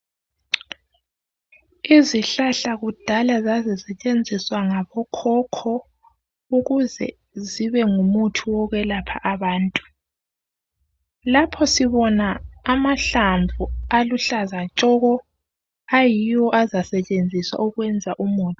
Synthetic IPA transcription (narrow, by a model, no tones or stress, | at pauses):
iziɬaɬaɣud̥ʱalazazisɛt͡ʃʼend͡zʱiswaŋaβɔkʰɔkʰɔ | uɣuzɛ̰ | ziβɛŋumutʰuwɔɣɛlapʰa̰ʔaβaːntʼu | lapʰɔsiβɔnaːmaɬamvʱualuɬazat͡ʃʼɔɣɔ | ajijɔʔazasɛt͡ʃʼend͡zʱiswa̰uɣwɛnd͡zʱaʔumuːtʰʼ